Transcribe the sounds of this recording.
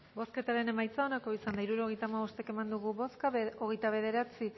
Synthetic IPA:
bo̞ske̞t̪aɾe̞ne̞majt͡sao̞nako̞isand̪aiɾuɾo̞ɣ̞e̞jt̪amaβo̞st̪e̞ke̞mand̪uɣuβoskoɣ̞e̞jt̪aβ̞e̞ð̞e̞ɾat͡si

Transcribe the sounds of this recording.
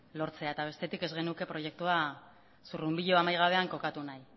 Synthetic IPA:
lo̞ɾt͡se̞aet̪aβ̞e̞st̪e̞t̪ike̞zɣe̞nuke̞pɾo̞je̞k̚t̪ua | surumbiʎo̞amajɣ̞aβ̞e̞aŋko̞kat̪unaj

